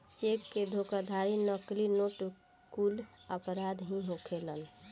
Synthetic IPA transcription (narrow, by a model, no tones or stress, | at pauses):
t͡ʃekːed̪ʱokad̪ʱaɾinəklinoʈ | kuləpɾad̪ɦĩɦokʰelən